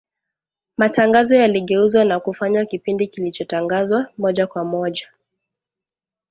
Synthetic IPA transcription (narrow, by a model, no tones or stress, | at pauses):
mataŋɡazɔjaliɠɛuzwanakufaɲwakipindikilit͡ʃɔtaŋɡazwamɔʄakwamɔʄa